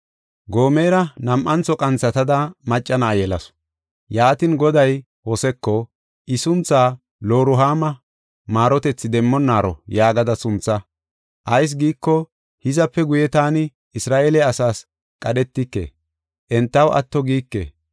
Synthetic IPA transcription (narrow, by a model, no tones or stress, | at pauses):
ɡo̞ːmeːɾɐnɐmʔɐnt͡sɔkʼɐnt͡sːɐt̪ɐd̪ɐmɐt͡ʃʼːɐnaːjɛlɐsɔ̥ | jaːt̪ɪnɡɔd̪ɐj | wɔsɛkːɔ | ʔɪsʊnt͡saː | lo̞ːɾʊɦaːmɐ | maːɾɔt̪ɛt͡sːɪd̪ɛmːɔnːaːɾɔ̰jaːɡɐd̪ɐsʊnt͡sːɐ | ʔɐjs̬ɡiːkːɔ | hɪzɐpːɛɡʊjɛt̪aːnɪ | ɪsɾaːʔelɛɐsaːs | kʼɐɗɛt̪ːɪkːḛː | ʔɛnt̪ːɐwʔɐ̰t̪ːɔɡiːkːḛː